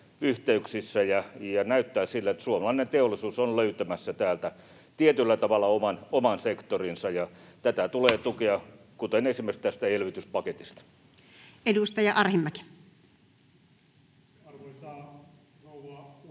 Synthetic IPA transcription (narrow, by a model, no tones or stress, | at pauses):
yht̪eyksisːæjɑjɑnæyt̪ːæːsilːæet̪suomɑlɑinent̪eolːˑisuːsonløyt̪ømæsːæt̪æːlt̪æ | t̪iet̪ylːæt̪ɑʋɑlːˑɑomɑnomɑnsekt̪orinsɑjɑt̪æt̪æt̪uleːt̪ukeɑ | kut̪enesimerst̪æst̪æelʋit̪yspɑket̪ist̪ɑ̥ | edust̪ɑjɑʔɑrhimːæki̥